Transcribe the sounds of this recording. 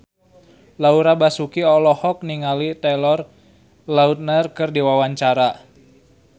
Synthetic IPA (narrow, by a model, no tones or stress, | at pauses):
lauɾabasukiɔlɔhɔk̚niŋalit̪ɛlɔr | laut̪̚nərkɨrdiwawaɲt͡ʃaɾa